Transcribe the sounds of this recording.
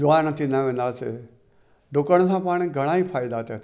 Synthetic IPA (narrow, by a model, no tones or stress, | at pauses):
d͡ʒʊʋaːnɐt̪ʰinaʋẽːn̆d̪aːsḛ | d̪ʊkəɽ̃sãpaːɽ̃ɡʱɐɽ̃aːiːpʰaːɪd̪aːt̪et̪ʰ